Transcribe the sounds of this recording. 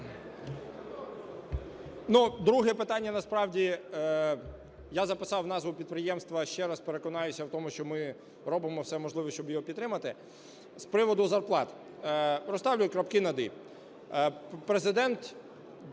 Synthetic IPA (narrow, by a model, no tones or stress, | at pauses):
nud̪ɾuɦɛpɪt̪ɑnʲːɐnɐspɾɑwdʲi | jazɐpɪsɑwnɑzʋʊpʲid̪̚pɾɪjɛmst̪ʋɐʃt͡ʃɛɾɐspeɾekɔnɑjʊsʲɐwt̪ɔmʊʃt͡ʃɔmɪ | ɾɔbɪmɔwsɛmɔʒlˠɪʋɔsʲt͡ʃɔbjɔɦɔpʲid̪ɾɪmɐt̪ɪ | spɾɪʋɔd̪ʊzɐrplˠɑt̪ː | ɾɔst̪ɑwlʲʊjɛkɾɐpkɪnɐd̪ɪ | pɾezɪd̪ɛnt̪